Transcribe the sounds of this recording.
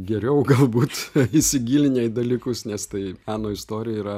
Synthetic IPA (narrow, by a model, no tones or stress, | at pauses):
ɡʲɛɾʲɛʊɡɐlˠbuːt̪ɪsʲɪɡʲiːlʲɪnʲɛɪd̪ɐlʲiːkʊsnʲɛst̪ɐɪmʲæːnoːɪst̪oːɾʲɪjɛiːɾɐ